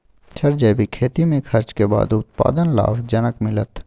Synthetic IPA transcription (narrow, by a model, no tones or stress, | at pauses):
t͡ʃʰɐɾd͡ʒəjbʱikʰeːt̪imẽkʰɐɾt͡ʃkeba̰ːd̪ʊt̪̚pa̰ːd̪ənla̰ːʋd͡ʒənəkmɪlət̪